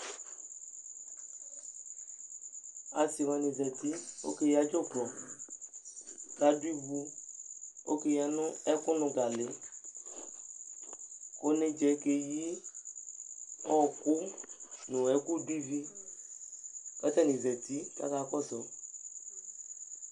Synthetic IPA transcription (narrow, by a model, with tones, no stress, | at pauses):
a˨si˨mã˨nĩ˨zɛ˨t̪i˦o̰˦ke˦ji˦a˦d͡ʒo˦ɡlɔ˨ | ka˦di˦βu˦ | o̰˦ke˨ja˨nʊ̃˦ɛ˦kʊ˦nʊ̃˨ɡa˨le˨˦ | ko˦nẽ˨d͡ʒɛ˨˦ke˨ji˦ | ɔ˦˨ku˦nʊ̃˨ɛ˨ku˦du˦i˦vi˦ | kɛ˦t̪ɛ˦nĩ˨zɛ˨t̪i˦ka̰˦ka˦˨˦kɔ˦sɔ˨˦